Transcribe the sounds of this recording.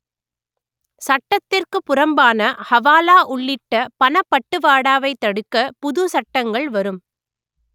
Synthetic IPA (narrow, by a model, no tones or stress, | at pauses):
sɐʈːɐt̪ːɪrkɯpʊrɐmbaːnɐhɐʋaːlaːʔʊɭːɪʈːɐpɐnɐpːɐʈːɯʋaːɽaːʋɐɪt̪ːɐɽɯkːɐpʊðʊsɐʈːɐŋɡɐɭʋɐɾɯm